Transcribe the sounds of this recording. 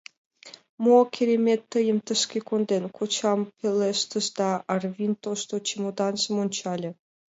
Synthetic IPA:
mokʲʰeɾʲemʲet̪ːəjəmt̪əʃkʲekond̪enkʰot͡ɕɑmpʲeleʃt̪əsd̪ɑʔːrvʲint̪oʃt̪ot͡ɕimod̪ɑnsəmonʲt͡ɕɑlʲĕ

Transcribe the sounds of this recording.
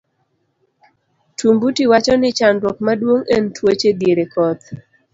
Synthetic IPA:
tʰumbutiwat͡ʃɔnɪt͡ʃandwɔk̚madwoŋentwot͡ʃed̪jeɾekɔt̪̚

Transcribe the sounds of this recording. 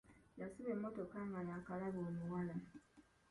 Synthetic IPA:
jasiβemːotokaŋɡajakalaβoːmuwala

